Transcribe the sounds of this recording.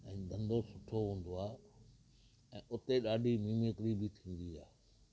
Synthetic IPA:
ɛ̃ːd̪ɐ̃nd̪osʊʈʰːoɦũːn̆d̪oaː | ɛ̃ːʔʊt̪eɗaːɖʱimĩːmekɾibɪt̪ʰĩːn̆d̪iaː

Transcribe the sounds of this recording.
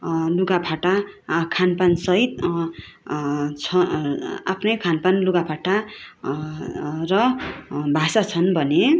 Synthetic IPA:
luɡapʰaʈakʰanpansʌɦit̪̚ | t͡sʰʌa̰pʰnʌjkʰanpanluɡapʰaʈa | rʌbʱasat͡sʰʌnbʱʌne

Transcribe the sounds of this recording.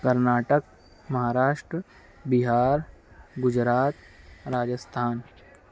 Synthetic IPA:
kɐɾnaːʈək̚ | mɐɦaːɾaːʃʈɾə | biɦaːɾ | ɡʊd͡ʒɾaːt̪ | ɾaːd͡ʒəst̪ʰaːn

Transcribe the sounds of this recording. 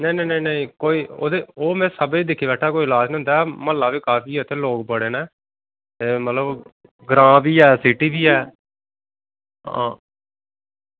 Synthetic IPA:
neinẽːneiːnəĩːkoːiːo̰ːd̪eːoːmɛ̃ːsəbeiːd̪ɪkʰiːbɛːʈʰːaːkoːiːɪlaːd͡ʒnə̃nd̪aːɛməlːãːbiːkaːpʰiːət̪ʰeːloːkpəɽeːnɛː | t̪eːmət̪ləb | ɡɾãːbiːɛːsɪʈiːbiːɛː | ɦã̰ː

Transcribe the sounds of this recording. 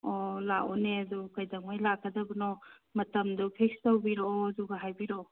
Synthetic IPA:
ɔlaɔneɐdukajdɐŋmajlakʰːɐdɐbɐnɔ | mɐtɐmdupʰek̚stawbiɾɔduɡaɦajbiɾo

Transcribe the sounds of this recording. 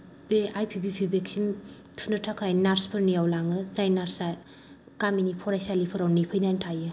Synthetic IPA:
beajpʰibʰipʰibeksin | tʰunɯtʰakʰajnaɾspʰɯɾnijawlaŋɯzajnaɾsa | kaminipʰɔɾajsalipʰɯɾawnipʰɯjnajntʰajɯ

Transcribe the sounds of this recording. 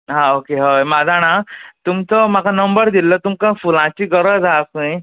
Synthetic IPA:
ɦãokeɦəjmad͡zʱaɽ̃ãt̪umt͡sɔmakanəmbəɾd̪ilːət̪umkãfulãt͡ɕiːɡəɾəd͡zasə̃j

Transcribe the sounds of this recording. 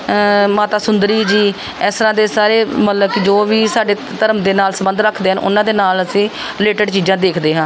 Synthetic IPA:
maːt̪aːsʊnd̪əɾiːd͡ʒiː | ɛːst̪ɾãːd̪eːsaːɾeːmət̪ləbkɪd͡ʒoːʋiːsaːɖeː | t̪əɾəmd̪eːnaːlsəbə̃nd̪ɾəkʰd̪eːɦənʔʊ̰nːãːd̪eːnaːləsĩː | ɾɪleːʈəɖt͡ʃiːzãːd̪eːkʰd̪eːɦãː

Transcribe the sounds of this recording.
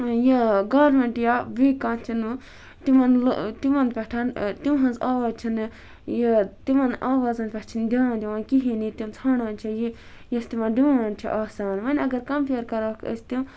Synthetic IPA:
jɐɡaːɾmẽɳʈjaʋiːkãːnt͡ʃʰinɨ | t̪imɐnlt̪imɐnpʲɐʈʰaːnt̪imɦɐ̃nzaːʋaːt͡ʃʰin | jɐt̪imɐnʔaːʋaːzɐnpʲɐt͡ʃʰind̪ʲaːnd̪ʲiʋɐnkiɦinit̪imt͡sʰaːɳãːnt͡ʃʰiji | jɐst̪imɐnɖiʋaːnt͡ʃʰḭʔaːsaːnʋɐnʲɐɡɐɾkɐmpiɾkɐɾaːkʰə̰sʲt̪im

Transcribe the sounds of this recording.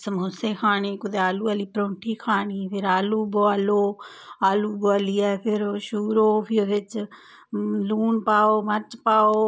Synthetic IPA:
səmoseːkʰaːɳeːkʊd̪eːaːluːaːliːpɾõːɳʈʰiːkʰaːɳiːpʰɪɾaːluːboaːloː | aːluːboaːliːɛːpʰɪɾʃuːɾoːpʰɪod̪ɪt͡ʃ | luːɳpaːoːmət͡ʃpaːoː

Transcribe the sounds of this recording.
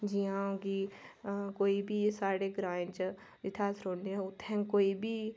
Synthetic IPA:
d͡ʒiãki | koːibʱisaːɽeɡɾãːɲd͡ʒ | d͡ʒɪt̪ʰaːsɾoːɽnẽʊt̪ʰɛ̃koːibʱi

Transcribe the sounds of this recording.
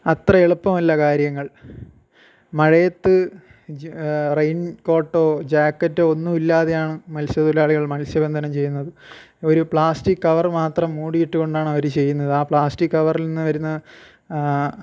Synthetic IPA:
ɐt̪rɐeɭupːɐmɐlːɐkaːɾjɐŋːɐɭ | mɐɻɐjɐt̪ːɨ | rejnko̞ːʈːo̞ːd͡ʑaːkːɐtːɨo̞nːumilːaːðejaːɳɨmɐlsɐðulaːɭiɣɐɭmɐlsjɐbend̪ʱɐnɐmt͡ɕe̞jːunːɐðɨ | o̞ɾupɭaːsʈikːɐʋɐrmaːt̪rɐmːuːɽijiʈːuɣo̞ɳɖaːɳɨɐʋɐɾut͡ɕe̞jːunːɐðɨaːpɭaːstikːɐʋɐrilninːɨʋɐɾunːɐ

